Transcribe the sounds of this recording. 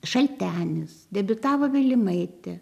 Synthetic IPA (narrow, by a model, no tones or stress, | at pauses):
ʃɐlʲt̪ʲæːnʲɪsd̪ʲɛbʲʊt̪ɑːʋoːʋʲɪlʲɪmɐɪt̪ʲɛ